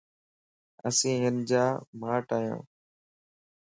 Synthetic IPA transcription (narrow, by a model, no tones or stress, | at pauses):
əsĩːɦənd͡ʒaːmaːʈaːjõ̰ː